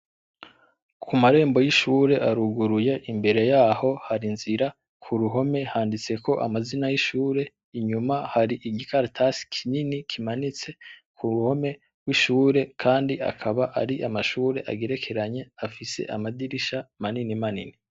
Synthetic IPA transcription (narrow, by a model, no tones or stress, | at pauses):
kʰumaɾe̞ːmbo̞jiʃuːɾe̞ʔaɾuɡuɾuje̞ʔimbe̞ɾe̞jaːho̞haɾinziɾa | kʰuɾuɦo̞me̞haːndit͡se̞ko̞ʔa̰mazinajiʃuːɾe̞ | iɲumahaɾiʔiɡikʰaɾtʰasi̥kʰininikʰimanit͡se̞kʰuɾuho̞me̞ | wiʃuːɾe̞kʰaːndiʔa̰kʰaβaʔa̰ɾiʔamaʃuːɾe̞ʔa̰ɡe̞ɾe̞kʰe̞ɾaɲe̞afise̞̰ʔa̰madiɾiʃamaninimanḭni